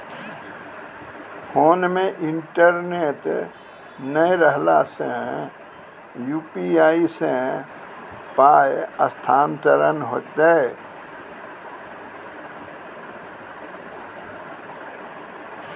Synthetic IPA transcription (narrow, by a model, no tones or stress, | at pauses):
fʰoːnmẽʔɪ̃ɳʈəɾneːʈ | nəjɾəɦlasḛ̃ | juːpiaːisẽ | paːjəst̪ʰaːnt̪əɾənɦoːt̪ee